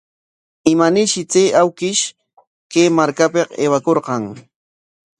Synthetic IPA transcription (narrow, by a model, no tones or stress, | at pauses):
ɪmanɪʃɪt͡seːʔawkɪʃ | keːmaɾkapeqḛːwakoɾqɑŋ